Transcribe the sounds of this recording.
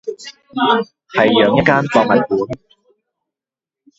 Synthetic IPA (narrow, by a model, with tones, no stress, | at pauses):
hɐ˨jːœː˨˧ŋjɐ˥t̚kːaː˥np̪ɔː˧k̚hɐ˨˩jkuː˨˥n